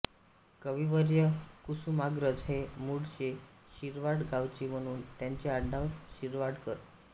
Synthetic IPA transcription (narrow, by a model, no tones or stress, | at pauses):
kəʋiʋəɾjəkusumaɡɾət͡sɦemuɽɕe | ɕiɾʋaɽɡaʋt͡ɕim̤əɽ̃uːnt̪jaɲt͡ɕeaɖaʋɕiɾʋaɽkəɾ